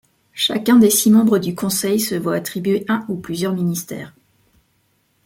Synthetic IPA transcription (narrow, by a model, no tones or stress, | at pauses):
ʃakʲɛ̃d̪esimɑ̃bʁəd̪ykɔ̃sɛjsəvwaːt̪χibɥeʔɛ̃uplyzjœʁminist̪ɛ̰ːʁ